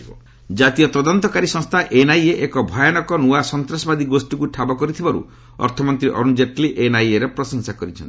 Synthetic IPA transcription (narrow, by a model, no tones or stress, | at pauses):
ɔ | d͡ʒat̪ijɔt̪ɔd̪ɔnt̪ɔkaɾisɔ̃ŋst̪ʰaʔenajeʔekɔbʱajanɔkɔnuasɔnt̪ɾasɔbad̪iɡosʈikuʈʰabɔkɔɾit̪ʰibaɾṵ | ɔ̰ɾt̪ʰɔmɔnt̪ɾiʔɔ̰ɾund͡ʒeʈliʔenajeɾepɾɔsɔŋsakɔɾit͡ʃʰɔ̰nt̪i̥